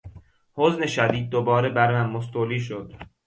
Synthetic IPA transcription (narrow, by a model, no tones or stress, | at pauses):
hozne̞ʃæd̪iːd̪̚ːobɒːɾe̞bæɾmænmos̬t̪ʰoːliːʃ̬od̪̥